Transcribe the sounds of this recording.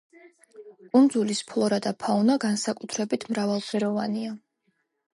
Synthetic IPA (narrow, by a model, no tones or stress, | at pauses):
kʼund̪zulispʰlˠɔɾad̪apʰaunaɡansakʼut̪ʰɾɛbit̪ʰmɾavalˠsɛɾɔvania